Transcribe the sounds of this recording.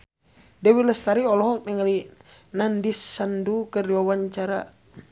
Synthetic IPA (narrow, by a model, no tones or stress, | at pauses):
dɛwiləst̪aɾiɔlɔɦɔk̚nɛŋalinandisːandukərdiwawaɲt͡ʃaɾa̰